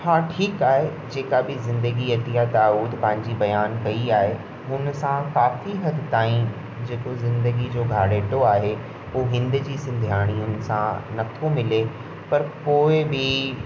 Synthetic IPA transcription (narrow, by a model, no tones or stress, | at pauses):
haːʈʰiːkaːɦe | d͡ʑeːkabɪzɪ̃nd̪əɡiɐt̪ijat̪aːuːd̪pɐ̃ɦɪ̃ɲ̆d͡ʑibɐjaːnkɐiaːɦe | ʊnsãkaːfiɦɐd̪ʱɪt̪aːĩ | d͡ʑeːkozɪ̃nd̪əɡid͡ʑoːɡʱaːɽeːʈoaːɦe | uːɦɪ̃nd̪ʊd͡ʑiːsɪ̃nd̪ʱjaːɽ̃iʊnsãnɐt̪ʰomɪle | pɐɾkoːɪbɪ